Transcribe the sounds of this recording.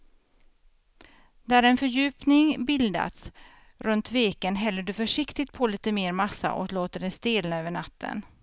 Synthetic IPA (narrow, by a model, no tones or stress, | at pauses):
d̪æɾɛnfœɾjʉ̟ːpnɪŋbɪld̪a̰t̪s | ɾɵnt̪veːkənɦɛlːəɖɵfœʂɪkt̪ɪt̪̚pʰɔliːt̪əmeːɾmasːa̰ʔɔ̰kloːt̪əɖɛst̪eːlnaøːvəɳat̪ʰːə̰n